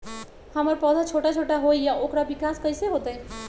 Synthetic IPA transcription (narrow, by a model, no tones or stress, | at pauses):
həməɾpɔːd̪ʱat͡ʃʰoːʈat͡ʃʰoːʈaɦoijaʔoːkɾabɪkaːskəiseɦoːt̪aɦɛ̃